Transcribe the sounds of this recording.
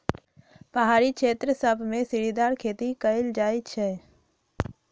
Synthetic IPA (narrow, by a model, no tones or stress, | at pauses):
pəɦaːɾikʃʰeːt̪ɾəsəbʱmẽsɪɾid̪aːɾkʰeːt̪ikəɪld͡ʒaːit͡ʃʰɛ